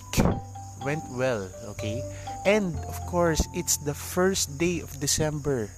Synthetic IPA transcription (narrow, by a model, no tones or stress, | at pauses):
k | wɛ̃nt̪wɛl | o̰kʰe | ʔɛ̃nd̪ɔv̥kʰɔɹsɪt̪sd̪ɐfɛɹst̪d̪eɪɔfd̪ɪsɛ̃mbəɹ